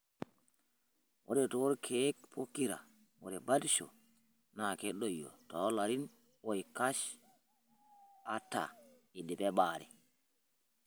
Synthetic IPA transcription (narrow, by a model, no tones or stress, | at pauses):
wʔɔɗɛtɔɾkʰɛːkpʰokːiɾa̰ | wɔɗɛbadʃɔ̰ | nakɛɗːɔjːɔ̰tɔlaɾin | wɔjkaʃ | ʔatːa̰ | idɛbɛɓaːɾɛ̰